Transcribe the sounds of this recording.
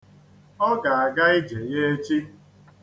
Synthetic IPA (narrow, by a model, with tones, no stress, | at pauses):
ɔ˦ɡa˨a˨ɡa˦ɪ˦d͡ʒe˨je˦e˦t͡ʃi˦